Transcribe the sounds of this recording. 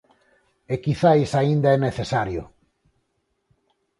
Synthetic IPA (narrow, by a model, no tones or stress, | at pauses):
ekiθajsaind̪aɛneθesaɾjʊ̰